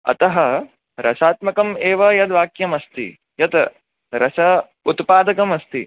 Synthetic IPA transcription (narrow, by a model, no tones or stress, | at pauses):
ɐ̰t̪ɐɦɐ | ɾɐʃaːt̪mɐkɐmeːʋɐjɐt̪ʋaːkjɐmɐst̪ḭ | jɐt̪ | ɾɐsɐ | ut̪paːd̪ɐkɐmɐst̪i